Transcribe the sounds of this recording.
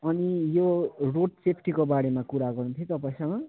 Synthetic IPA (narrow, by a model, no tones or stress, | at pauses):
ʌnijoroʈsepʰʈikobaɽemakuɾaɡʌrnut̪ʰjot̪ʌpãĩsʌ̃ŋɡʌ